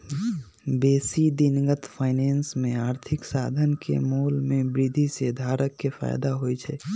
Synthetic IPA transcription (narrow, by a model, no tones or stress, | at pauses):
besid̪inɡət̪pʰaɪnensmeaɾt̪ʰiksad̪ʱənkʰḛmolmebɾid̪ʱised̪ʱaɾəkːepʰa̰jd̪aɦojt͡ʃʰɛ